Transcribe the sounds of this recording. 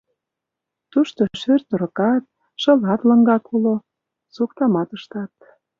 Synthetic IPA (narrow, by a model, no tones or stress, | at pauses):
t̪uʃt̪oʃørt̪uɾə̆kɑt̪̚ | ʃɤ̆lɑt̪lə̆ŋɡɑkulo | sukt̪ɑmɑt̪əʃt̪ɑt̪̚